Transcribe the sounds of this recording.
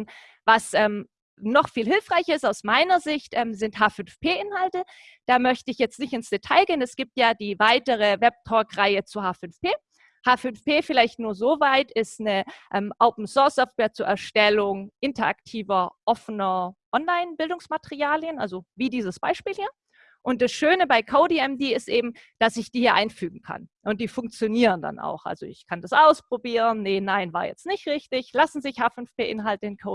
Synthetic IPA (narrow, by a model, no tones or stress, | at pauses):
n | vasʔɛːm | nɔχfiːlɦɪlfʁ̥aɪçɪstaʊsmaɪnɐzɪçtʔɛːmzɪntɦaːfʏnfpʰeːʔɪnhaltə | d̥aːmœçtəɪçjɛt͡stnɪçtɪnsd̥etʰaɪlɡeːənɛsɡ̥iːp̚tjaːdiːvaɪtəʁ̞əvɛb̚tʰɔkʁaɪət͡suhaːfʏnfpʰeː | haːfʏnfpʰeːfɪlaɪçtnuːɐzoːvaɪtʰɪstnəʔɛːmʔoʊpn̩sɔɐsɔftv̥eːɐt͡suːɐʔɛɐʃtɛlʊŋʔɪntɐa̰ktʰiːvɐʔɔfənɐʔɔnlaɪnbɪldʊŋsmatəʁiaːljənʔa̰lzoviːdiːzəsb̥a̰ɪʃpiːlhiːɐ | ʔʊnt̚d̥asʃøːnəbaɪkʰoʊdiːɛmdiːɪstʔeːbm̩ | d̥asɪçd̥iːhiːɐʔaɪnfyːɡŋ̩kʰa̰nʔʊnt̚d̥iːfʊŋkt͡sjoniːʁənda̰nʔa̰ʊxʔa̰lzoɪ̰çkʰandasʔaʊspʁ̥obiːʁənːənaɪnva̰ːɐjɛ̰t͡stnɪçtʁɪçtɪçlasn̩zɪçhaːfʏnfpeːʔɪnɦaltəɪnkʰoʊ